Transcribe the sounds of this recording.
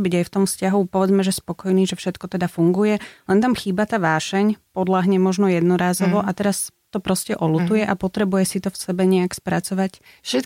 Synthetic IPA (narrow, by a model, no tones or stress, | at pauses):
biɟajft̪ɔmfscaɦupɔʋɛd͡zmɛʒɛspɔkɔjniːʒɛfʃɛt̪kɔt̪ɛd̪afuŋɡujɛlɛnt̪amxiːbat̪aːʋaːʃɛɲpɔd̪laɦɲɛmɔʒnɔjɛd̪nɔɾaːzɔʋɔʔat̪ɛɾast̪ɔpɾɔscɛʔɔlut̪ujɛʔapɔt̪ɾɛbujɛsit̪ɔfsɛbɛɲɛakspɾat͡sɔʋac | ʃɛt̪